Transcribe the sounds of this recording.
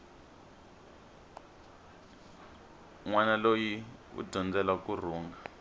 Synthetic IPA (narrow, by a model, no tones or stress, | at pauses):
ŋwanalojiṵɟʱɔnd͡zɛlakur̤uːŋɡa